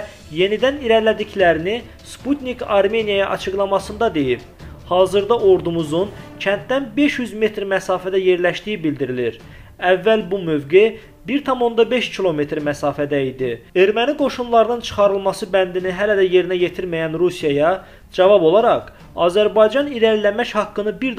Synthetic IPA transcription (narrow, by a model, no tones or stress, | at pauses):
je̞nid̪æniɾæɾlæd̪iclæɾini | sput̪nikɑɾme̞nijɑjɑʔɑt͡ʃʰɯɡlˠɑmɑsɯnd̪ɑd̪e̞jib̥ | hɑːzɯɾd̪ɑʔo̞ɾd̪umuzuncʰænt̪̚d̪ænbe̞ʃjyzme̞t̪ɾmæsɑːfæd̪æje̞ɾlæʃt̪ijibild̪iɾiliɾ | ævːælbumø̞vɡe | biɾt̪ʰɑmo̞nd̪ɑbe̞ʃcʰilˠo̞me̞t̪ɾmæsɑːfæd̪æid̪ie̞ɾmæniɡo̞ʃunlˠɑɾɯnɯnt͡ʃʰɯ̥χɑɾɯlˠmɑsɯbænd̪iniɦælæd̪æje̞ɾinæje̞t̪ʰiɾmæjænɾusijɑjɑ | d͡ʒɑvɑbo̞lˠɑɾɑq | ɑ̰ːzæɾbɑjd͡ʒɑniɾæɾlæmæçhɑkːɯnɯbiɾd̪